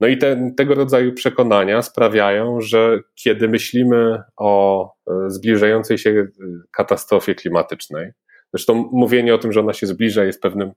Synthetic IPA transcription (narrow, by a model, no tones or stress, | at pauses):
nɔit̪ɛt̪ɛɡɔɾɔd̪zajupʂɛkɔn̪aɲaspɾavʲjajɔ̃w̃ʐɛkʲjɛd̪ɘmɘɕlʲimɘɔ | zblʲiʐajɔnt̪sɛjɕɛkat̪ast̪ɾɔfʲjɛklʲimat̪ɘt͡ʂnɛj | z̥ɾɛʂt̪ɔ̃w̃ːuvʲjeɲɛɔt̪ɘmʐɛɔnaɕɛzblʲiʐajɛst̪̚pɛvnɘm